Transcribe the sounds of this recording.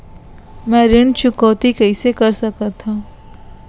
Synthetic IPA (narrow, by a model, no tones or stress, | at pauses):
mɛ̃ːɾɪɳ̃t͡ʃʊkɔːt̪ikɐɪsekɐɾsɐkat̪ʰːãː